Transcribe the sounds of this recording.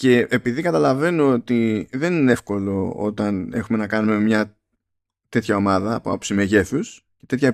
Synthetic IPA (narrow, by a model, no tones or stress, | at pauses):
ce̞ːpiðikɐt̪ɐlɐve̞noot̪iðe̞ninee̞fko̞lo̞o̞̰t̪ɐne̞xume̞nɐkɐnume̞mɲɐ | t̪e̞t̪çɐo̞mɐðɐpoɐ̰psimeʝe̞θus | ce̞t̪e̞t̪çɐ